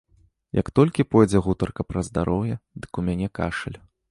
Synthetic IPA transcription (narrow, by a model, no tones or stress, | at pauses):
jɐ̰kt̪ɔlʲkʲipɔjd͡zʲɛɣut̪ɐrkɐpɾɐzd̪aɾʔɔwjɛd̪ɨkumʲanʲɛkaʂɐlʲ